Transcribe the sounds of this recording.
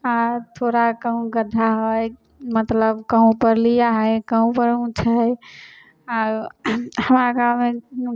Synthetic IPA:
at̪ʰoɾakəɦũɡəd̪ʱaɦoj | mət̪ləbkəɦũpəɾlijaɦəkəɦũpəɾũt͡ʃʰəj | aɾhəmɾakame

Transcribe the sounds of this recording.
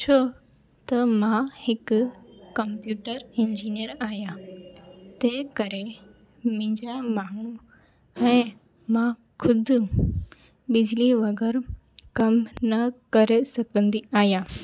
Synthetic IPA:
t͡ɕʰoː | t̪ɐmãhɪkʊkɐmpjuːʈəɾɪ̃ɲd͡ʑiːnijəɾaːɦijã | t̪ɐɦkɐɾe | mɪ̃ːɲd͡ʑamaːɳ̃ũ | ɛ̃ː | mã | xʰʊd̪ʱʊ̆ | ɓɪd͡ʑʱliʋɐɡəɾ | kɐmnɐkɐɾesɐɡʱə̃nd̪iaːɦijãː

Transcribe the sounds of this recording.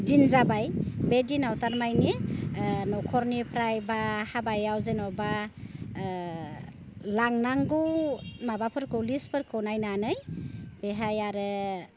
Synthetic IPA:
dinzabajbedinawtaɾmajni | nɔkʰɔɾnipʰɾajbahabajawzenɔba | laŋnaŋɡɯwmabapʰɯɾkʰɯwlispʰɯɾkʰɯwnajnanɯjb̥eɦajaɾɯ

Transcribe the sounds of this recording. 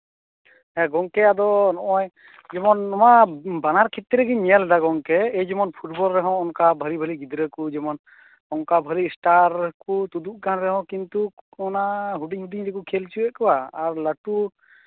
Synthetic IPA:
ɛɡɔŋkɛad̪ɔnɔʔɔj | d͡ʒɛmɔnɔmabanaɾkʰit̪ːɾɛɡiɲɛlad̪aɡɔŋkɛejd͡ʒɔmɔnpʰuʈbɔlɾɛɦɔ̃ɔŋkabʱəɾibʱəliɡid̪ɾəkud͡ʒɛmɔn | ɔŋkabʱəɾisʈaɾkut̪ud̪uʔkanɾɛɦɔ̃wkint̪uɔnaɦuɖiŋɦuɖiɲɾɛkukʰɛlt͡ʃuɛʔkɔwaːɾlaʈu

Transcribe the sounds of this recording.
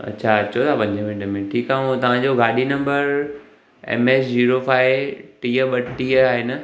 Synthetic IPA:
ɐ̰tːɕʰaɐɕʰot̪ʰapɐ̃ɲd͡ʑəmɪʈəmẽʈʰiːkaːɦũt̪ɐʋ̤ãd͡ʑoɡaːɗinɐ̃mbəɾ | ɛ̰ːmeːsd͡ʑiːɾofaːɪʈiːəɓɐʈʈiːəaːɦenɐ

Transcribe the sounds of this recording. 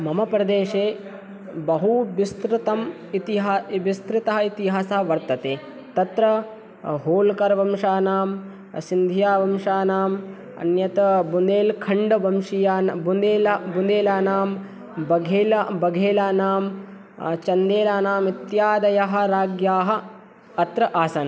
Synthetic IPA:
mɐmɐpɾɐd̪eːʂeː | bɐɦuʋist̪ɾɪt̪ɐm | it̪iɦaʋist̪ɾɪt̪ɐɦɐit̪iɦaːsɐɐʋɐɾt̪ɐt̪eː | t̪ɐt̪ɾɐ | ɦoːlkɐɾʋɐmʂaːnaːm | sind̪ʱijaːʋɐmʃaːnaːm | ɐ̰njɐt̪ɐbund̪eːlkʰɐɳɖɐbɐmʂijaːnbund̪eːlbund̪eːlaːnaːm | bɐɡʱeːlbɐɡʱeːlaːnaːm | t͡ʃɐnd̪eːlaːnaːmit̪jaːd̪ɐjɐɦɐ̆ɾaːɡjaːɦɐ | ɐt̪ɾɐʔaːsɐn

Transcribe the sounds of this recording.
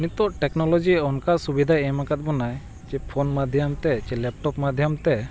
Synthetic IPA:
nit̪ɔʔʈɛknɔlɔd͡ʒiɔnkaʔsubid̪ʱajɛmakat̪̚bɔnaj | t͡ʃɛpʰɔnmad̪ʱjamt̪ɛt͡ʃɛlɛp̚ʈɔpmad̪ʱjamt̪ɛ

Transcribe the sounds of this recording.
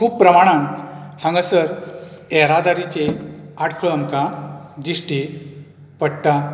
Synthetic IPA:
kʰuːppɾəmaɽ̃ãŋkhãŋɡəsəɾ | ɛɾad̪aɾit͡ɕeaʈkʰəɭəmkãd͡ʑisʈi | pəɽt̪a

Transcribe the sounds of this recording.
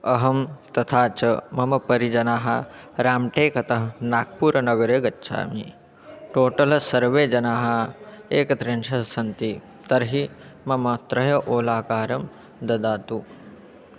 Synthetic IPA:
ɐɦɐmt̪ɐt̪ʰaːt͡ʃɐmɐmɐpɐɾid͡ʒɐnaːɦɐ | ɾaːmʈeːkɐt̪ɐɦɐnaːk̚puːɾɐnɐɡɐɾeːɡɐtːʃʰa̰ːmi | ʈoːʈɐlɐsɐɾʋeːd͡ʒɐnaːɦɐeːkɐt̪ɾenʃɐɦsɐnt̪i | t̪ɐɾɦimɐmɐt̪ɾɐjɐʔoːlaːkaːɾɐm | d̪ɐd̪aːt̪u

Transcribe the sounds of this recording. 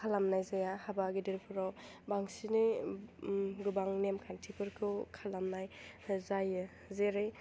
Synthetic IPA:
kʰalamnajzajahabaɡidiɾpʰuɾɔ | baŋsini | ɡubaŋnemkʰantʰipʰɯɾkʰɯkʰalamnajzaj | zeɾɯj

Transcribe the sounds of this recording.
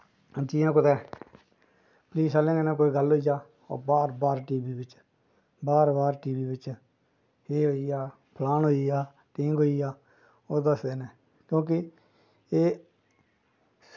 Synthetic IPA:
d͡ʒiːjãːkʊt̪ɛː | pliːsaːlẽːŋɡenɛ̃ːk̬oːiːɡəlɦoːiːd͡ʒaː | o̰ːbaːɾbaːɾʈiːbiːbɪt͡ʃ | baːɾbaːɾʈiːbiːbɪt͡ʃ | heːɦoːiːaː | pʰlaːnɦoːiːjaː | ʈɪ̃ːŋɡɦoːiːjaː | oːd̪əsd̪eːnɛː | kjõːk̬ɪ | eː

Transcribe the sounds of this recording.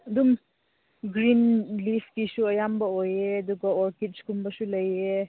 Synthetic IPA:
d̪um | ɡɾinlipʰkisuɐjambaojeɐd̪ukaɔɾkit̚t͡ʃkumbasuləje

